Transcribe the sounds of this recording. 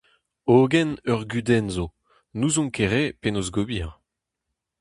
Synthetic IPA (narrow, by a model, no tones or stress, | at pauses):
oɡɛnœʁɡyd̪ɛnzo | nuzɔ̃ŋkeʁepenozɡobiʁ